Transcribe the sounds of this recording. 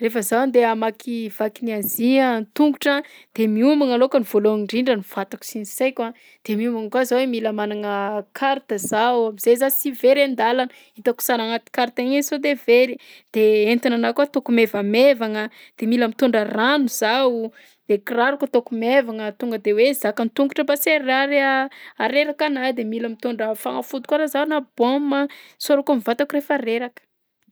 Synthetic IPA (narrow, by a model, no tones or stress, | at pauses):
refəzawnd̪eamakʰiv̥akiniaziənt̪uŋɡuʈ͡ʂəd̪̥emiumaŋalokənivoloŋiɳɖ͡ʐiɳɖ͡ʐəniv̥at̪aku̥sinisejkʲa | d̪̥emiumaŋəkwazawemiləmanaŋəkʰaɾt̪əzawamiz̥ezasiveɾend̪alanə | it̪aku̥saɾaŋat̪i̥kaɾt̪aŋesod̪eveɾi | d̪̥eent̪inanakuat̪okumevəmevaŋə | d̪̥emiləmit̪uɳɖ͡ʐaranuz̥aw | d̪̥ekiraɾukət̪okumevaŋət̪uŋɡəd̪ewezakənit̪uŋɡuʈ͡ʂəbaseɾaɾeaɾeɾakanajd̪emilamit̪oɳɖ͡ʐafa̰ŋafud̪u̥kaɾazanaboməsoɾakamivat̪akuɾefaɾeɾakə̥